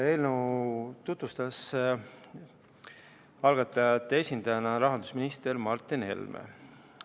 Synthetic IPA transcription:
elnut̪ut̪vust̪ɑs | ɑlɡɑt̪ːˑɑjɑt̪ːˑeesʲind̪̥ɑjɑnɑɾɑɦɑnd̪̥usminist̪ermɑrt̪ːˑinhe̞̰lmḛ

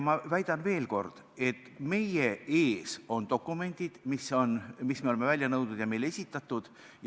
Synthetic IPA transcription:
mɑvæjd̪̥ɑnve̞ːlko̞̰rd̪̥ | e̞t̪ːˑme̞jee̞ːso̞nt̪o̞kːˑume̞nʲd̪̥id̪̥miso̞nmismeolemevælʲjɑnɤwd̪nud̪jɑme̞jlee̞sʲit̪ːˑɑt̪ːˑud̪̥ | j

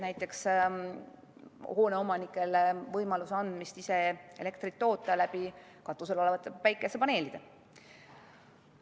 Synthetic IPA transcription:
næjt̪ːˑe̞ks | ho̞ːne̞o̞mɑnikːˑe̞lvɤjmɑlusɑnd̪̥mist̪ise̞e̞̰le̞kt̪rit̪ːo̞ːt̪ːˑɑlæbi | kɑt̪ːˑus̬e̞lo̞levɑt̪ːˑpæjkːˑesːepɑne̞ːlid̪̥e

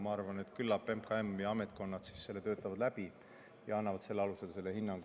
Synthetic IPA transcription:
mɑɑrvɑne̞t̪ːkylːɑpːempkɑemjɑɑmet̪̚ˑko̞nːɑt̪si̥sːe̞lːe̞t̪øːt̪ːˑɑvɑd̪̥læb̥i | jɑɑnːɑvɑt̪se̞lːeɑluse̞lse̞lːe̞hinːɑŋɡ

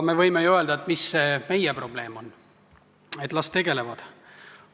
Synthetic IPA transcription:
me̞vɤjmejuø̞ld̪ɑet̪ːˑmisːeːme̞jɛpro̞b̥le̞ːmo̞n | et̪ːˑlɑst̪ːe̞ɡ̥e̞le̞vɑd̪̥

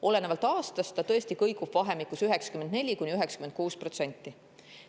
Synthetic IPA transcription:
ʔo̞le̞nevɑlt̪ːˑɑːst̪ɑst̪ːɑt̪ɤest̪ikɤjkub̥vɑɦe̞mikːˑusyɦɛksɑ̥kymend̪ne̞lʲikunʲiyɦɛksɑ̥kymend̪̚kuːspro̞t̪se̞nʲt̪ːˑi

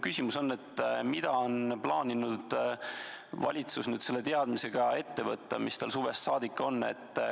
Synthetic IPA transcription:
kysʲimuso̞nːe̞t̪ːmid̪̥ɑonplɑːnʲinud̪̥ | vɑ̰lʲit̪susnyːd̪̥se̞lːe̞t̪eɑd̪̥mise̞ɡ̥ɑe̞t̪ːe̞vɤt̪ˑːɑmist̪ɑlsuːve̞sːɑːd̪̥ikːˑo̞nːe̞̰t̪ː

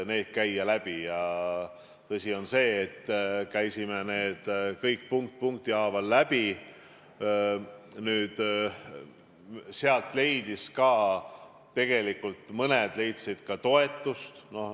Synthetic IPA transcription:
ne̞ːd̪̥kæjːɑlæb̥ijɑ | t̪ɤsʲio̞nse̞ːt̪ːkæjsimene̞ːd̪̥kɤjk̚ːpuŋk̚t̪̚puŋk̚t̪iɑːvɑlːæb̥i | nyːd̪̥ | seɑlt̪le̞jd̪̥iskɑː | tːe̞ɡ̥e̞likːult̪mɤned̪̥le̞jt̪sid̪̥kɑt̪o̞e̞t̪ˑːust̪no̞h

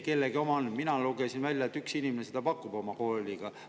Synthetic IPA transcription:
ke̞lːeɡio̞mɑnminɑluɡ̥esinvælʲjɑet̪ːyksinimenese̥d̪ɑpɑkːub̥o̞mɑko̞ːlʲiɡ̥ɑ

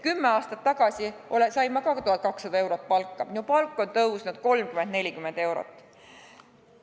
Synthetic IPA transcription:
kymːeɑːst̪ɑt̪ːɑɡ̥ɑsʲiʔolesɑjmːɑkɑkt̪uhɑt̪̚kɑksːɑd̪ɑe̞wɾo̞t̪̚ːˑpɑlkːˑɑminupɑlkːˑo̞nt̪ɤwsnɑd̪̥̚ko̞lmkymend̪ne̞lʲikymend̪e̞wɾo̰t̪ːˑ

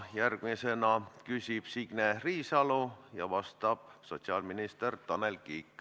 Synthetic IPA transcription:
jærɡ̥misenɑkysʲib̥siɡ̥neriːsɑlojɑ̰vɑst̪ɑb̥̚so̞t̪siɑlminist̪ert̪ɑnelkiːkːˑ

